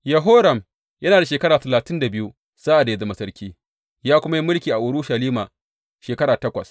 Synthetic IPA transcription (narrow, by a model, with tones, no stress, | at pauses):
jɐ˨ɦo˦ɾɐ˨m | jɐ˦naː˨da˨ʃeː˨kɐ˦ɽaː˨tɐ˨laː˨tɪ˦nda˨bɪ˦ju˦ | saː˦ʔa˨da˨je˦zɐ˦ma˨sɐ˦ɾkʲʰiː˦ | jaː˦kʷʊ˦ma˦ji˦mʊ˦lkʲiː˨ʔa˨ʔʊ˨ɽʊ˦ʃɐ˨liː˦ma˨ | ʃeː˨kɐ˦ɽaː˨tɐ˦kʷɐ˨s